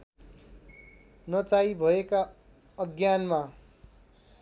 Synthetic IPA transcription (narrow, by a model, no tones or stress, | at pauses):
nʌt͡saibʱʌeka | ʌɡjanma